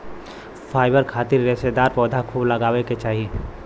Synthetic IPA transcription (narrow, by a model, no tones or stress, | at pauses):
fʰaːɪbəɾkʰaːt̪ɪɾːesed̪aːɾpɔːd̪ʱakʰuːblɐɡaːʋeket͡ʃaːɦie